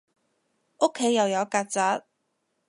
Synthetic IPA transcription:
o˥kʰːe˨˥jɐ˨˧wjɐ˨˧wkaː˧t͡saː˨˥t̚

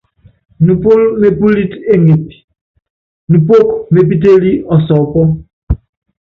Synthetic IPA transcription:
nu˨po˦lme˦pu˦li˦te˦ŋe˨pi̥˨ | nu˨po˦kme˨p̬i˦t̬e˦li˦ʔɔ˨sɔ˨pɔ˦

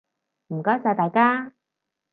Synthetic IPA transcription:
m̩˨˩kɔː˨˥jt͡saː˨˩t̪aː˨˧jkaː˥

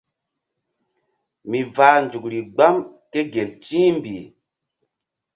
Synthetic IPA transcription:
mi˨vaː˨˦nd͡ʒu˨k̚ɾi˨ɡ͡ba˦mke˦ɡe˨lt͡ʃĩː˦mbi˨

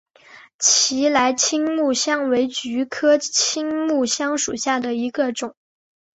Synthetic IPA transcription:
t͡ɕʰi˧˥la˧˥ɪt͡ɕʰi˥ŋmu˥˩ɕjɑ˥ŋwe˧˥ɪt͡ɕy˧˥kʰɤ˥t͡ɕʰi˥ŋmu˥˩ɕjɑ˥ŋʂṵ˨˩ɕja˥˩d̪ə˩i˧˥ɡə˧ʈ͡ʂʊ˨˩˦ŋ

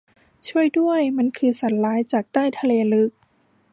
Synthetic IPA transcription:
t͡ɕʰu˥˩əjdu˥˩əjma˧˥˨nkʰɯː˧sa˩˦nlaː˨˦˥jt͡ɕaː˨˩k̚t̪aː˥˩jt̪ʰa˧leː˧lɯ˦˥k̚

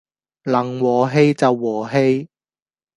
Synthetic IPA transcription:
lɐ˨˩ŋwɔː˨˩ɦe˧˥jt͡sɐ˨wːɔː˨˩ɦe˧j

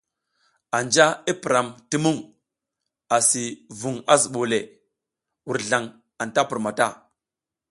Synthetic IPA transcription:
a˨nd͡ʒa˦i˦pi˨ɾa˨mti˦mu˦ŋ | a˨si˨vu˨ŋa˦zu˨ɓo˨le˨ | wu˨ɾɮa˨ŋ | a˨nta˦pu˨ɾma˨ta˦˨

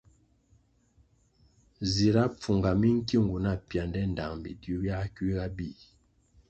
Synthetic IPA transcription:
zi˨ɾa˦p͡fu˨ŋɡa˨mi˦ŋ̩˦ki˦˨ŋɡu˨na˦˨pja˨ndɛ˦n̩˨da˨ŋbḭ˨dju˦bja˦ki˦ɣa˦bi˦˨

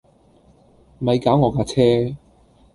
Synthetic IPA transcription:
mɐ˨˧jkaː˨˥wŋɔː˨˧kaː˧t͡sʰɛː˥

